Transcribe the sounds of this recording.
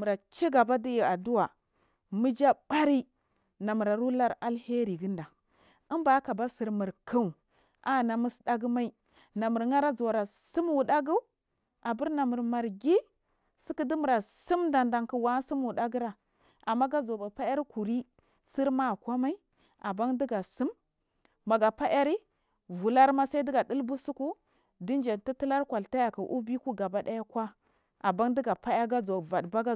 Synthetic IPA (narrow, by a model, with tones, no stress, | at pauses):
mu˨ɾa˨t͡ʃi˦ɡa˨ba˦di˦ji˨a˨du˦wa˨ | mi˦d͡ʒa˦ba˦ɾi˦ | na˨mu˨ɾa˨ɾu˦la˦ɾa˦lhe˦ɾi˨ɡi˦nda˨ | ə˦mba˦ka˨ba˦si˨ɾmi˨ɾka˦u˨ | a˦na˨mi˦sda˦ɡi˦ma˦i˦ | na˨mu˨ɾŋa˦ɾa˦d͡zo˨ɾa˨si˦mwu˨da˦ɡu˦ | a˨bi˦ɾna˨mə˨ɾma˨ɾɡi˦ | si˦ki˦di˦mu˨ɾa˨si˦mda˨nda˨ŋki˨wa˨˦si˦mwu˨ɗa˦ɡi˦ɾa˨ | a˨mːa˦ɡa˦d͡zo˨ba˨pa˦ja˦ɾi˦ku˨ɾi˦ | t͡si˦ɾma˦˨kʷa˦ma˦i˦ | a˨ba˦ŋdi˦ɡa˨si˦mː | a˨ɡa˨pa˦ja˦ɾi˦ | vu˨la˦ɾma˦sa˦i˦di˦ɡa˨di˦lbu˦su˦ku˦ | di˦nd͡ʒe˨nti˦ti˦la˦ɾkʷa˨lta˦ja˨ka˨ʔu˦bi˦ku˦ɡa˨ba˨da˦ja˦kwa˦ | a˨ba˦ŋdi˦ɡa˨pa˦ja˦ɡa˦d͡zo˨va˨dba˦ɡa˦